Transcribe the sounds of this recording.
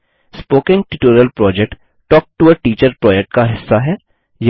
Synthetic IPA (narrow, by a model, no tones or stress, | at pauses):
spoːkɪ̃ŋɡʈɪʈuːɾəlpɾɔːd͡ʒɛk̚ʈ | ʈɔːk̚ʈuəʈiːt͡ʃəɾpɾɔːd͡ʒɛk̚ʈkaɦɪsːaɦɛː | j